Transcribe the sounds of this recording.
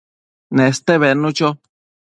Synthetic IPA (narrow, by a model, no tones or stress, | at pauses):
nẽst̪eβenũt͡ʃo